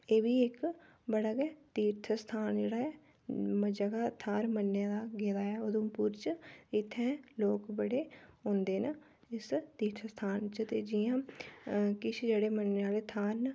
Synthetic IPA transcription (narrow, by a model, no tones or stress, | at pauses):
eːʋiːɪk | bəɽaːɡɛːt̪iːɾt̪ʰəst̪ʰaːnd͡ʒeːɽaːɛː | md͡ʒəɡaːt̪ʰaːɾmənːjãːd̪aːɡeːd̪aːɛːoːd̪õːpuːɾt͡ʃɪt̪ʰːɛ̃ːloːkbəɽeːɦõːnd̪eːnə | ɪst̪iːɾt̪ʰəst̪ʰaːnt͡ʃət̪eːd͡ʒiːãː | kɪt͡ʃʰd͡ʒeːɽeːmənːeaːleːt̪ʰaːɾn